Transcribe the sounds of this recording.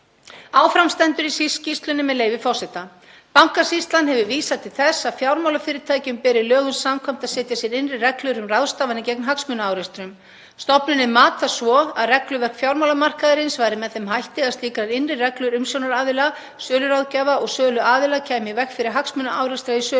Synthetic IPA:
aːwfɾamst̪ɛnt̪ʏɾisiscist̪lʏnɪmɛðleːjvɪfɔr̥sɛt̪a | pawŋ̥kasist̪lanhɛvʏviːsat̪ʰɪlθɛsːaðfjawɾmawlafɪːɾɪɾt̪ʰaːjcʏmpɛɾɪlœːɣʏnsːamkʰɔjm̥t̪aðsɛːt̪jasjɛɾɪnrɪrɛklʏɾʏmraðst̪aːvanɪcɛknɦaksmʏnaaːwɾɛst̪ɾʏm | st̪ɔpnʏnːɪmaːt̪asvɔaðrɛklʏvɛr̥kfjawɾmawlamar̥kaðɪɾɪnsvaːjɾɪmɛðθɛmɦajht̪ɪaðst̪iːkɾaɾɪnrɪrɛklʏɾʏmsjownaɾaːðɪla | sœːlʏɾawðcaːvaɔɣsœːlʏaːðɪlacʰɛːmɪvɛxkfɪɾɪɾ̥ɦaksmʏnaʔaːwɾɛst̪ɾaisœː

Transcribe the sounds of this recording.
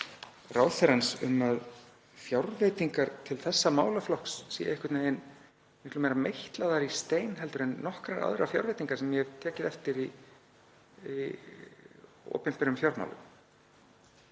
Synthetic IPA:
raːwθɛɾansʏ̰mað | fjawɾvejt̪iŋkaɾ̥t̪ʰɪlθɛsːamaːwlaflɔhksːḭjaɪhkwvɪt̪naen | mɪhklʏmejɾamejht̪laðaɾist̪eːjnɦɛlt̪ʏɾenːɔhkɾaɾa̰ðɾa̰fja̰wɾvejt̪iŋkaɾ̥sɛmjɛhɛvt̪ʰɛːcɪðɛft̪ɪɾi | i | ɔ̰ːpɪm̥pɪɾʏmfjawɾma̰wlʏ̰m

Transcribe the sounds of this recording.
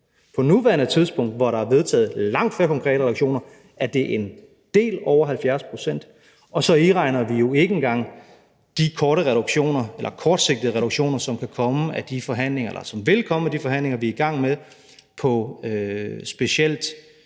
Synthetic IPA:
pʰɒ̽nuʋæɐnət͡sʰið̞ˠsb̥ɔ̽ŋ̰d̥ʋɒɾɑæɐʋe̝ð̞ˠt͡sʰɛ̰ːð̞̩ˠlɑ̈ŋ̰d̥feɐkʰɒ̽ŋkʰʁɛ̰ːɾ̥əʁɾuɡɕo̝̰ːnɐ | æɐd̥e̝ʔen | d̥e̝̰ːlɒʊ̰ɐɦælfjæɐspʰʁo̝sen̰d̥ | ɒ̽sɒ̽iʁɑ̈ɪnɐʋijo̝e̝ɡ̥əenɡ̥ɑ̈ŋ̰ | d̥ikʰɒːɾəʁɛɾ̥uɡ̥ɕo̝̰ːnɐelʔɐkʰɒːd̥se̝ɡ̥̚d̥ð̩ˠəʁɛɾ̥uɡ̥ɕo̝̰ːnɐsɒ̽mkʰækʰɒ̽məæd̥ifɒɦæn̰le̝ŋɐelɐsɒ̽mʋe̝lkʰɒ̽məmed̥ifɒ̽ɦæn̰le̝ŋɐʋiiɡ̥ɑ̈ŋ̰meðˠ | pʰɒ̽øsb̥e̝ɕel̰d̥

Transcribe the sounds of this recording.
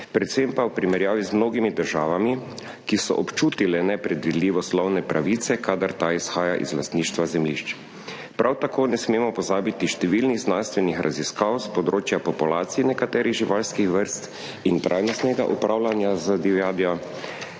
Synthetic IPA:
pɾɛt̪sempawpɾimɛɾjaːʋizmnoːɡimid̪əɾʒaːʋami | kisɔ̰ʔɔpt͡ʃuːt̪ilɛnɛpɾɛd̪ʋid̪liːʋɔslɔwnɛpɾʔaʋit̪sɛkaːd̪aɾt̪aisxaːjaʔḭzlast̪niːʃt̪ʋazɛmliʃt͡ʃ | pɾʔawt̪akoːnɛsmeːmɔpɔzaːbit̪iʃt̪ɛʋilniɣznanst̪ʋɛnixɾʔaziskawspɔd̪ɾoːt͡ʃjapɔpulaːt̪sijnɛkat̪ɛːɾiɣʒiʋalskixʋəɾst̪ | int̪ɾʔa̰jnɔst̪nɛɡa̰ʔupɾawlanjazəd̪iʋjaːd̪iɔ

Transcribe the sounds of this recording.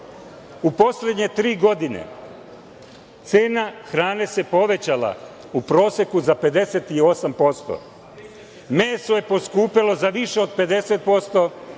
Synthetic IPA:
upo̞sle̞d̪ɲe̞t̪ɾiːɡo̞d̪inḛ | t̪seːnaxɾaːne̞se̞po̞ʋe̞t͡ɕala̰ | upɾo̞ːse̞kuzape̞d̪e̞set̪io̞sampo̞st̪o̰ | meːsoje̞po̞skuːpilo̞zaʋiʃeo̞d̪̚pe̞d̪e̞set̪̚po̞st̪o̞

